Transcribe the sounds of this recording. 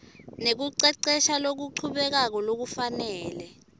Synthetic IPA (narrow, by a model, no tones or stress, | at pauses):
nek̬uǀɛǀɛʃalok̬uǃʰuɓɛk̬ak̬ɔlok̬ufanɛːlɛ